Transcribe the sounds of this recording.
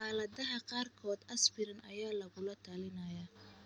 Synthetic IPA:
aːlɐðɐɦɐqɑːrkʰɔːd̪ɐsbɪɾɐnɐ̰jaːlɐɣʊlɐt̪ʰaːlɪnɐjaː

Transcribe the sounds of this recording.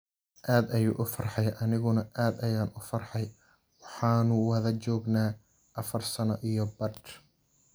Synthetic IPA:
ʔaːd̪ɐjṵːʔʊfɐrħɑjʔɐnɪɣʊnɐaːd̪ɐjaːnʊfɐrħɑj | wɑħɑːnʊwɐðɐt͡ʃɔːɡnaː | ʔɐfɐrsɐnɐʔijɔbɐd̪

